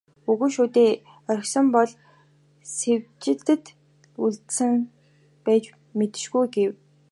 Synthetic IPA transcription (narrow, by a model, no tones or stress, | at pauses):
uɣɵ̆ʃuːt̪eː | œɾ̆ʲxsɞ̆mpɔɮ | sewt͡ɕɪ̆ɮt̪ɘ̆t̪ | uɮt̪sɘ̆ŋ | pæːt͡ɕ | met̪ɘ̥̆ʃɡujɡew